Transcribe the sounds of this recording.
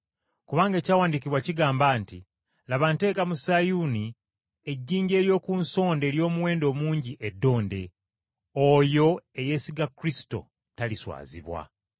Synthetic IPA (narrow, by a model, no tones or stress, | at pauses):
kuβaːŋɡae̞ːcaːwaːndikiβwaciɡaːmbaːnti | laβante̞ːkamusajuni | e̞ɟːiːɲɟe̞ːɾjo̞ːkunso̞ːnde̞ːɾjo̞ːmuwe̞ːndo̞ːmuːɲɟiʔedːo̞ːnde̞ | ojo̞e̞je̞ːsiɡakɾisi̥to̞̰ | taliswa̰ːzḭβwa̰